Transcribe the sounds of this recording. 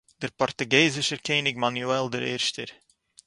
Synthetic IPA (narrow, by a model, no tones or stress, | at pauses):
d̥ərpɔrtəɡeːzəʃərkeːnɪkmanuɛlˠdəɾɪ̰rstər